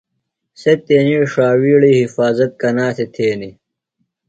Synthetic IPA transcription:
set̪eːniiʂaːwiːɽiːhifaːzɐt̪̚kɐnaːset̪ʰeːni

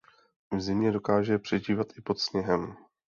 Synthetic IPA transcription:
vzɪmɲɛdo̞kaːʒɛpr̝̥ɛʒiːvat̪ʔɪpo̞t̪sɲɛɦɛm

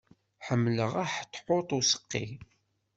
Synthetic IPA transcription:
ħəmːləʁaħtːħot̪ˤusə̥qːḭ

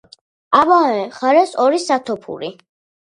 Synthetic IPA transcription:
abaɛχaɾɛsɔɾisat̪ʰɔpʰṵɾi

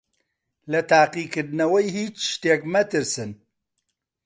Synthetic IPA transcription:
lɐt̪ʰaːqiːkɨɾd̪nɐwɐjhiːt͡ʃʃt̪eːkmɐt̪ɨɾsɨn

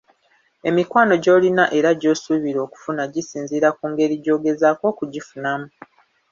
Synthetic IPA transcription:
e̞mikwaːno̞ɟo̞ːlinaʔe̞ɾaɟo̞ːsuβiɾo̞ːku̥funaɟisiːnziɾakuːŋɡe̞ɾiɟo̞ːɡe̞zaːko̞ːkuɟifunamu

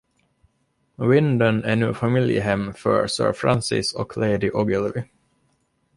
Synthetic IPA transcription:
wɪnd̪ənæɳʉ̟ːfamɪljə̰ɦɛmːfœ̰ɾsœ̰ːɾfɾa̰nsɪ̰sɔkʰleɪd̪ɪʔɔɡəlvɪ

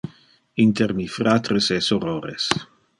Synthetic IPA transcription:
int̪ermifɾat̪ɾesɛsoɾoːɾḛs

